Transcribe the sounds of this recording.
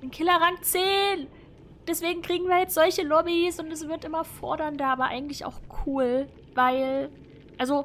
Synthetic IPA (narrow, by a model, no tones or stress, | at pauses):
ɪnkʰɪlɐʁaŋt͡seːn | d̥ɛsv̥eːɡŋ̩kʁ̥iːɡŋ̩viːɐjɛt͡stz̥ɔlçəlɔbisʊntɛs̬v̥ɪɐtʔɪmɐfɔ̰ɐɾɐndɐʔaːbɐʔa̰ɪɡŋ̩tlɪça̰ʊxkʰuːl | vaɪl | ʔalzo